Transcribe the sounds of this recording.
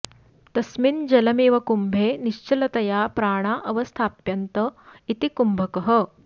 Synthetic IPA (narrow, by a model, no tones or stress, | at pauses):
t̪ɐsmind͡ʒɐlɐmiːʋɐkumbʱeːniʃt͡ʃɐlɐt̪ɐjaːpɾaːɳaːʔɐʋɐst̪ʰaːpjɐnt̪ɐit̪ikumbʱɐkɐɦɐ̆